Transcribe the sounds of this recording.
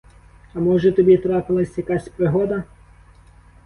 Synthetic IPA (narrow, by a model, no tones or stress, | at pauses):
ɐmɔʒɛt̪ɔbʲit̪ɾɑpɪlˠɐsʲjɐkɑsʲpɾɪɦɔd̪ɐ